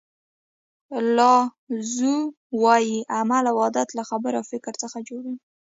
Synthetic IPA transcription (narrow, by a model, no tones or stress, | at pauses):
lɑ | zu | wɑjiʔamalawɑd̪at̪laxabəɾafɪkɾt͡səxad͡ʒoɽi